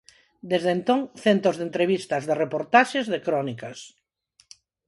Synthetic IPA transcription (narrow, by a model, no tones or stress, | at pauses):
d̪ezðent̪oŋθent̪ozðent̪ɾeβ̞ist̪ɐzðerepoɾt̪aʃezðekɾɔnikɐs